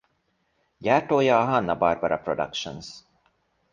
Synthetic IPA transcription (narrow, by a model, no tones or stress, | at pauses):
jæʈojaɦanːabaɾbaɾa̰pʰɾɔd̪a̰kʃə̰ns